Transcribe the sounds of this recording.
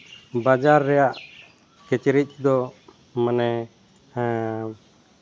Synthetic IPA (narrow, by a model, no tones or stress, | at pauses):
bad͡ʒaɾːɛjaʔ | kɛt͡ʃɾic̪̚ˀd̪ɔ | manɛ